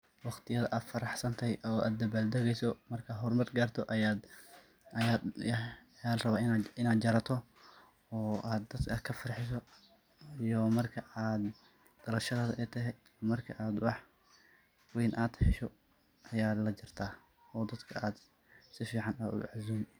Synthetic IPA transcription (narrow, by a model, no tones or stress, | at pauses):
wɑqt̪ʰɪjɐðɐʔaːd̪fɐɾɑħsɐnt̪ʰɛjʔɔʔa̰ːd̪d̪ɐbaːld̪ɛɣɛjsɔmɐrkʰɐɦɔrmɐrɡaːrt̪ʰɔʔjad̪ | ja | jaːrɐβaːɪɪnaːd̪d͡ʒɐɾɐt̪ʰɔ | ɔːʔaːd̪ːɐd̪kʰɐkʰɐfɐrħɪsɔ | ijɔmɐrkʰɐaːd̪ | d̪̥ɐlɐlʃɐðaːðɐʔɛt̪ʰɐɦɛ | mɐrkʰɐʔaːd̪ʊwɑħ | wɛjnʔaːd̪ħɪʃɔ | ʔɐjaːlɐd͡ʒɪrt̪ʰaː | ɔːd̪ɐd̪kʰɐʔaːd̪ | sɪfiːʕɑnaːʊ̰ʕazuːm